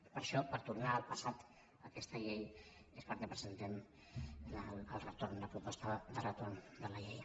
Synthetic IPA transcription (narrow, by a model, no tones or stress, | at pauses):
pəɾʃɔpəɾt̪urnaːlˠpəsat̪ | əkɛst̪əʎejespəɾkepɾəzənt̪ɛm | ləəlˠrət̪ornləpɾupɔst̪əðərət̪and̪ələʎej